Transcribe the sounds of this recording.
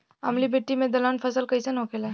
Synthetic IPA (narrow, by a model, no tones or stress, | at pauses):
a̰mlibʱeʈːimed̪əlanfʰəsəlkəjsənokela